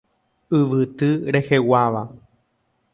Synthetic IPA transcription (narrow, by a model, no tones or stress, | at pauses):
ɨʋɨt̪ɨɾehewaʋa